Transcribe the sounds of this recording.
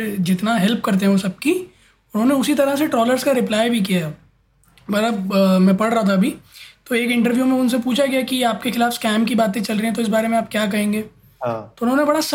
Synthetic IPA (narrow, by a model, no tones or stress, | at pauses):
d͡ʒɪt̪naɦɛlp̚kɐɾt̪̬eɦũsɐb̚ki | ʊnɦõːneʊsit̪ɐɾəseʈɾɔːləɾskaɾɪplaːjbʱikijaɦɛ | mɐɾəbmɛ̃pɐɽɾɐɦat̪ʰaɐbʱit̪oeːkɪ̃ɳʈəɾʋjumẽʊnsepuːt͡ʃʰaɡijakijaːp̚kexɪlaːfskɛːmkibaːt̪ẽt͡ʃɐlɾɐiɦɛ̃t̪oɪs̬baːɾemẽaːp̚kjaːk̬ɐɦẽːŋɡeː | t̪oʊnɦõːnebɐɽas